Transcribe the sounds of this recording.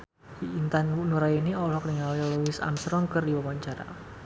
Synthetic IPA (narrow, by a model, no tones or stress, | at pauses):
iːnt̪anwunuɾainiɔlɔkniŋaljluwɪsa̰mst̪ɾɔŋkɨrdiwawaɲt͡ʃaɾa̰